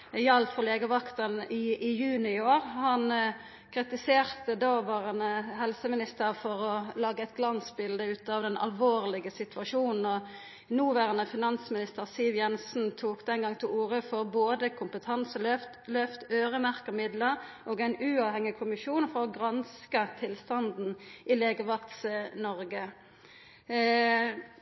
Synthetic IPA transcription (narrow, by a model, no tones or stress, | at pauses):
jɑltfɔleːɡəʋɑkt̪əʁnɪɪjʉːnɪoːʁhɑn | kʰʁɪt̪ɪseːʁt̪əd̪oːʋɑːʁənəhɛlsəmɪnɪst̪əʁfɔʁɔlɑːɡəɛɪt̪̚ɡlɑnsbɪld̪əʉːt̪ɑːʋd̪ɛnɑ̰lʋoːʁlɪɡəsɪt̪ʰʉʋɑʂuːnn̩ɔ | nuːʋæːʁənəfɪnɑnsmɪnɪst̪əʁsɪlʋjɛnsn̩t̪ʰuːkd̪ɛnɡɑŋt̪ʰɪluːʁəfɔʁboːd̪əkʰʊmpət̪ʰɑnsəlœft̪lœft̪øːʁəmæʁkəmɪd̪ləʁʔoːɡæɪnʉːɑːʋhɛŋɪkʰʊmɪʃuːnfɔʁɔɡʁɑnskət̪ʰɪlst̪ɑnd̪n̩ʔɪleːɡəʋɑt̪sənɔʁɡə